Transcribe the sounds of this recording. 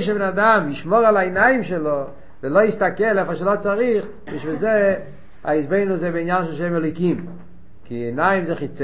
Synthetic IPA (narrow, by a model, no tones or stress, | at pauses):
ʃ̬əbenadamiʃmɔʁalainajɪmʃɛlo | vɪloistakɛlɛfaʃelot͡saʁiχ | biʃvɪze | a̰isbeɪnuzɛbɪinjanʃɛlˠʃemɛloɪkim | kiɛnaɪmzɛχit͡s